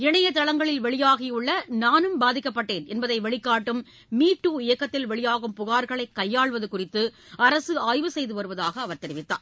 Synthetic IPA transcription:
ɪɳɐjɐt̪ɐɭɐŋɡɐɭɪlʋɛɭɪjaːɣɪjʊɭːɐnaːnɯmbaːðɪkːɐpːɐʈːeːnɛnbɐðɐɪʋɛɭɪkːaːʈːɯmː | iːʈːuːɪjɐkːɐt̪ːɪlʋɛɭɪjaːɣɯmpʊɣaːɾɣɐɭɐɪkːɐjːaːɭʋɐðɯkʊrɪt̪ːɯ | ɐɾɐsɯaːjʋɯsɛjðɯʋɐɾɯʋɐðaːɣɐːʋɐɾt̪ɛɾɪʋɪt̪ːa̰ː

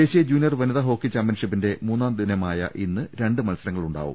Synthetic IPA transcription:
e̞ːɕijɐd͡ʑuːnijɐrʋɐniðɐɦo̞ːkːit͡ɕaːmp̬jɐnɳʂipːinde̞muːnːaːmd̪inɐmaːjɐ̰ʔinːɨɾe̞ɳɖɨmɐlsɐɾɐŋːɐɭuɳɖa̰ːʋṵm

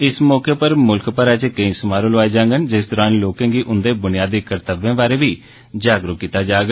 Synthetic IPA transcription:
ɪsmɔːkeːpəɾmʊlkpəɾɛːt͡ʃekəĩːsʊmaːɾõːləʋaːeːd͡ʒãːŋɡənd͡ʒɪsd̪ɔːɾaːnloːkẽːɡiːʔʊnd̪eːbʊnɪjaːd̪iːkəɾt̪əʋẽːbaːɾeːʋiː | d͡ʒaːɡɾʊkːit̪aːd͡ʒaːɡ

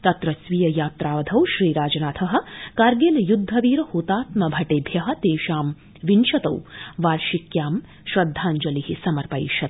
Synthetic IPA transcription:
t̪ɐt̪ɾɐsʋijɐjaːt̪ɾaːʋɐd̪ʱɐwʃɾiːɾaːd͡ʒɐnaːt̪ʰɐɦɐ̆kaːɾɡeːlɐjud̪ʱːɐʋiːɾɐhuːt̪aːt̪mɐbʱɐʈeːbʱjɐɦɐ̆t̪eːʃaːm | ʋinʃɐt̪ɐ̰wʋaːɾʃikjaːm | ʃɾɐd̪ʱːaːnd͡ʒɐlihisɐmɐɾpɐjʃɐt̪̚

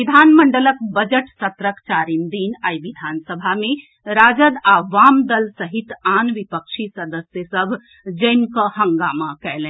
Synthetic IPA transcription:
ʋid̪ʱaːnməɳɖələkbəd͡ʒəʈsɐt̪ɾəkt͡ʃaːɾimd̪iːnajʋid̪ʱaːnsəbʱamẽ | ɾaːd͡ʒəd̪aːʋaːmd̪əlsəɦit̪aːnʋipəkʃʰisəd̪əsjəsəbʱ | d͡ʒəjmkəɦəŋɡaːmakɛɦlɛ̃

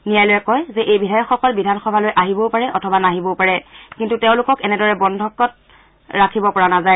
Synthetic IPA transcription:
nijajlojɛkɔjzɛʔejbidʱajɔkxɔkɔlbidʱanxɔbʱalojʔaɦibɔpaɹɛʔɔtʰɔbanaɦibɔpaɹɛkintuteʊ̃lʊkɔkɛnɛdɔɹɛbɔndʱɔkːɔt̚ | ɹakʰibɔpɔɹanazaj

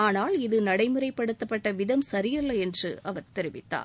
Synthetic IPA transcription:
aːnaːlɪðɯnɐɽɐɪmɯrɐɪpːɐɽɯt̪ːɐpːɐʈːɐʋɪðɐmsɐɾɪjɐlːɐɛndrɯ̰ɐʋɐɾt̪ɛɾɪʋɪt̪ːa̰ː

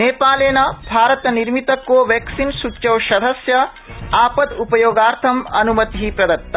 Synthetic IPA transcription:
neːpaːleːnɐbʱaːɾɐt̪ɐniɾmit̪ɐkːoːʋeːksinsutːt͡ʃɐwʃɐd̪ʱɐsjɐ | aːpɐd̪upɐjoːɡaːɾt̪ʰɐmɐnumɐt̪iɦipɾɐd̪ɐt̪ːɐ

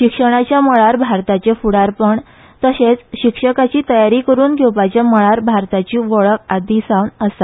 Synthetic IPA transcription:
ɕikʂəɽ̃at͡ɕjaməɭaɾbʱaɾt̪at͡ɕefuɽaɾpəɳ | t̪əset͡sɕikʂəkat͡ɕiːt̪əjaɾiːkəɾuːnɡʱowpat͡ɕjaməɭaɾbʱaɾt̪at͡ɕiːʋəɭəkad̪isawnəsa

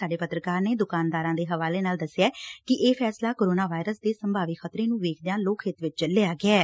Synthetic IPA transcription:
aːɖeːpət̪ɾəkaːɾneːd̪ʊkaːnd̪aːɾãːd̪eːɦəʋaːleːnaːld̪əsːɪjaːkɪʔeːpʰɛːslaːkoːɾoːnaːʋaːɪɾəsd̪eːsəmbʱaːʋikxʰət̪ɾeːnũːʋeːkʰd̪ejãːloːkʰɦɪt̪ʋɪt͡ʃt͡ʃəlːeaːɡɪɛː

